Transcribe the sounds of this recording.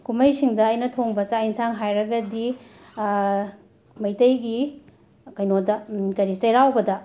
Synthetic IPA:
kumɐjsiŋdɐːjnɐtʰoŋbɐt͡ʃainsaŋɦajɾɐɡɐdi | mɐjtɐjɡi | kɐjnodɐkɐɾit͡ʃɐjɾawbɐdɐ

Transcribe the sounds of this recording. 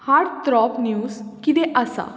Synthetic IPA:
haɾɽt̪ɾɔpnjuːskid̪eʔəsa̰

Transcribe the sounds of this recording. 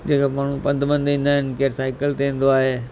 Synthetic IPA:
d͡ʑeːkamaːɳ̤ũpɐ̃nd̪bə̃nd̪ĩːnd̪aːɪnɪ̆keːɾsaːɪkəlt̪eĩːn̆d̪oaːɦeː

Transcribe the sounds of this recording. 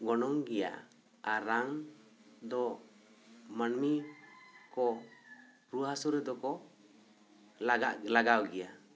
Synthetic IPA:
ɡɔnɔŋɡɛja̰ | aɾaŋ | d̪ɔ | manmi | kɔ | ɾuɦasɔɾɛd̪ɔkɔ | aɡalaɡawɡɛja

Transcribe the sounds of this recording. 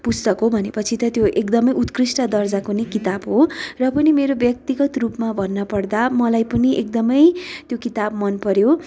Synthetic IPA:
pust̪ʌkɦobʱʌnepʌt͡sʰit̪ʌt̪joʔekd̪ʌmʌjut̪krisʈʌd̪ʌrd͡zakonikit̪abɦorʌpʌnimeɾobjʌk̚t̪iɡʌt̪rupmabʱʌnːʌpʌrd̪amʌlajpʌniʔek̚d̪ʌmʌjt̪jokit̪ab̚mʌnpʌɾjo

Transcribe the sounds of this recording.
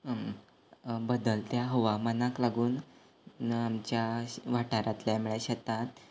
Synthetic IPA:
bəd̪əlt̪jaɦoʋamanaklaɡuːn | amt͡ɕjaʋaʈaɾat̪ljamiɭeɕət̪at̪

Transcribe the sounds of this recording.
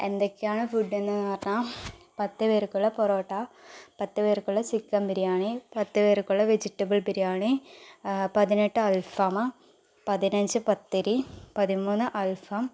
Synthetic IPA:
end̪okːejaːɳɨfuɖːenːɨnaːrna | pɐt̪ːɨʋeːɾkːuɭːɐpoɾoːʈːapɐt̪ːɨʋeːɾikːuɭːɐsikːɐmpiɾijaːɳipɐt̪ːɨʋeːɾɨkːuɭːɐʋed͡ʑiʈːɐbɨɭpiɾijaːɳi | pɐðineʈːɨɐlfɐm | pɐðinɐɲd͡ʑɨpɐt̪ːiɾipɐðimuːnːɨʔɐlfɐm

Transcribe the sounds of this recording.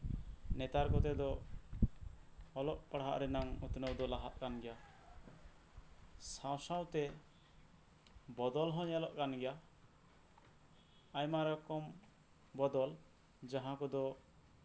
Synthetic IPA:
nɛt̪aɾkɔt̪ɛd̪ɔ | ɔlɔʔpaɽɦa̰ʔɾɛnamut̪nəwd̪ɔlaɦaʔ̪̚kanɡɛja | sãw̃saw̃t̪ɛ | bɔd̪ɔlɦɔ̃ɲalɔʔkanɡɛja | ajmaɾɔkɔm | bɔd̪ɔl | d͡ʒaɦãkɔd̪ɔ

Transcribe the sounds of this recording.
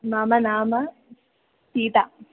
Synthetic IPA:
maːmɐnaːmɐ | siːʈ̪a

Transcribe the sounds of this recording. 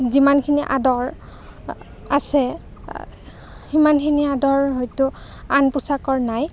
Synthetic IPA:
zimankʰiniʔa̰dɔɹ | a̰sɛ | imankʰiniadɔɹɦɔjtʊanpʊsakɔɹnaj

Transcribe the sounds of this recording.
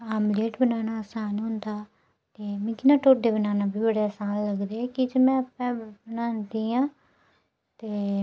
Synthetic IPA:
aːmleːʈbənaːnaːəsaːnɦʊ̃nd̪aː | t̪eːmɛ̃ːkɪnaːʈoːɖeːbənaːnaːbʱiːbəɽeːəsaːnləɡd̪eɛːkɪd͡ʒemɛ̃ːəpːɛ̃ːbənaːnd̪iːãː | t̪eː

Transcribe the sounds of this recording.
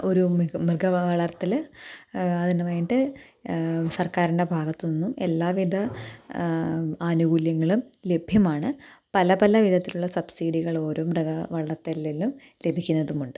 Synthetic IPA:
o̞ɾumrɨɡʱɐʋɐɭɐrt̪ːil | ɐðinɐmaːjiʈɨ | sɐrkaːɾiɳɖe̞bʱaːɡɐt̪ːɨninːume̞̰lːaːʋid̪ʱɐ | aːnuɣuːljɐŋːɐɭumle̞bʱjɐmaːɳɨpɐlɐbɐlɐʋid̪ʱɐt̪ːiluɭːɐsɐbsiːɖiɣɐɭo̞ːɾo̞ːmrɨɡɐʋɐɭɐrt̪ːɐlːelːum | le̞bʱikʲːunːɐðumuɳɖɨ

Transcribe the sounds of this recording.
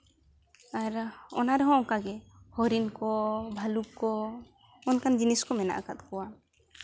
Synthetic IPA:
aɾɔ̰naɾɛɦɔ̃ɔŋkaɡɛhɔɾinkɔbʱalukkɔ | ɔnkand͡ʒiniskɔmɛna̰ʔakat̪̚kɔwa

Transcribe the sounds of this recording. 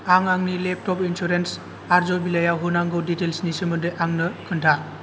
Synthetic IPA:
aŋaŋnilep̚ʰtɔpinsuɾens | aɾzɔbilajawɦunaŋɡoditelsnisimɯdɯjʔaŋnɯkʰɯntʰa

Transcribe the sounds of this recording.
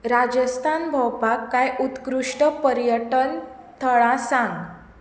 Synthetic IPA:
ɾad͡ʑəst̪ʰanbʱɔwpakːajut̪kɾuʂʈəpəɾjəʈən | t̪ʰəɭãsãŋɡ

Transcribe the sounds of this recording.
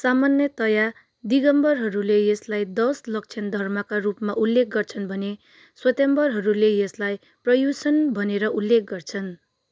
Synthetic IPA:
samanjʌt̪ʌja | d̪iɡʌmbʌrɦʌɾulejʌslajd̪ʌslʌk̚t͡sʰʌnd̪ʱʌrmʌkarupmaʔulːek̚ɡʌrt͡sʰʌnbʱʌne | swʌt̪embʌrɦʌɾulejʌslaj | prʌjusʌnbʱʌneɾʌʔulːek̚ɡʌrt͡sʰʌn

